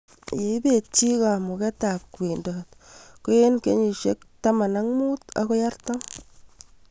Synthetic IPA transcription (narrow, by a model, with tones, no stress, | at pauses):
je˨i˦be˦˨t̪̚t͡ʃi˦ɣa˨mo˨kɛ˦t̪a˨p̚kwi˨ndo˨t̪ko˦e˦nke˨ɲi˨ʃe˦kt̪a˦ma˨na˦ŋmu˦t̪a̰˨ɣo˦ja˦ɾt̪o˦ŋ